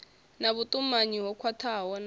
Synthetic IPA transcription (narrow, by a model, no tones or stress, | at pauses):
naβutʼumaɲiɦɔkʰwatʰaɦɔn